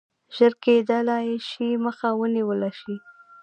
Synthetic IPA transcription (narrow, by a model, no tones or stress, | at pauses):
ʒ̥əɾked̪əlajeʃiməxawəniwəlaʃi